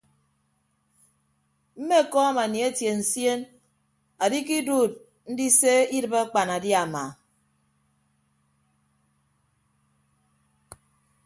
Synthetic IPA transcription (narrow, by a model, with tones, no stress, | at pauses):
m̩˦me˦˨kɔ˦a˦ma˨ni˨e˦tje˨n̩˨sje˦n | a˨di˦ki˦du˦˨t̚ | n̩˦di˦se˦i˦dɨ˨ba˦a˦k͡pa˨na˨di˦a˨ma˨